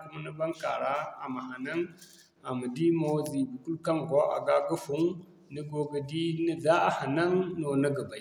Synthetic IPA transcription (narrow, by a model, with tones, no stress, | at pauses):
ku˨ma˦nə˦ba˦ŋka˨ɾa˦a˨ma˨ha˨na˦ŋ | a˨ma˨di˦mo˨wzi˨bi˨ku˦lka˦ŋɡo˦ʔa̰˨ɡa˦ɡa˦fu˦ŋ | nə˦ɡo˦ɡə˨di˦nə˦za˦a˨ha˨na˦ŋno˨na˦ɡa˨ba˨˦˨